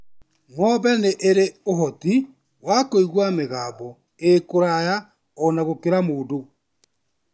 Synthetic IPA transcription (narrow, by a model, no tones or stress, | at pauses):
mɔβɛneʔeɾeoɦɔti | wakoiɣwameɣaːbɔ | ekoɾaja | ɔnaɣokeɾamoːdo